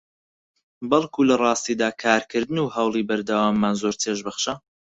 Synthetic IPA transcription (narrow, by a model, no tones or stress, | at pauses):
bɐlˠkʰulɐrˤɑːst̪iːd̪aːkʰaːɾkʰɨɾd̪ɨnuːhɑwlˠiːbɐɾd̪ɐwaːmːaːnzoɾt̪ʰeʒbɐχʃɐ